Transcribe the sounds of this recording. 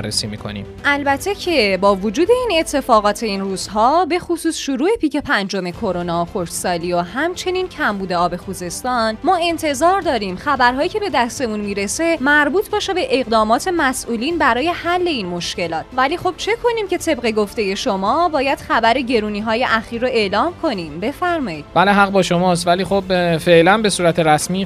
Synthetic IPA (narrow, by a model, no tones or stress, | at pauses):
rːḛsiːmḭkʰo̞̰nḭmʔælbæt̪ʰe̞cʰe̞bɒːvod͡ʒuːd̪e̞ine̞t̪ʰːe̞fɒːɣɒːt̪ʰe̞iːnruːz̥ɦɒːbe̞xosuːsʃoɾuːe̞piːce̞pʰænd͡ʒo̞me̞kʰo̞ɾo̞nɒːoxoɾʃsɒːliːohæmt͡ʃʰe̞niːncʰæmbuːd̪e̞ɒːbe̞xuːze̞st̪ɒːnmɒːe̞nt̪ʰe̞zɒːɾd̪ɒːɾimxæbæɾɦɒːiːcʰe̞be̞d̪æst̪e̞unmiːɾe̞se̞mæɾbuːt̪ʰbɒːʃebe̞ʔeɣd̪ɒːmɒːt̪ʰe̞mæsʔuːliːnbæɾɒːje̞hælːe̞iːnmo̞ʃce̞lɒːt̪ʰvæliːxo̞b̥̚t͡ʃʰe̞kʰo̞niːmce̞t̪ʰe̞bɢe̞ɡoft̪e̞je̞ʃo̞mɒːbɒːjæd̪̥xæbæɾe̞ɟe̞ɾuːniːɦɒːje̞ʔæxiːɾːoe̞ʔlɒːmkʰo̞nimbe̞fæɾmɒːjiːd̪b̥æleɦæɣbɒːʃomɒːst̪væliːxobfeʔlænbe̞suːɾæt̪ʰeɾæsmiː